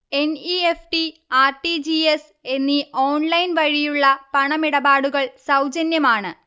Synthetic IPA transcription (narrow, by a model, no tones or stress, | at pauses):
e̞niefʈiaːrʈid͡ʑies | e̞nːioːnlɐjnʋɐɻijuɭːɐpɐɳɐmiɽɐbaːɽuɣɐɭsɐwd͡ʑɐnjɐmaːɳɨ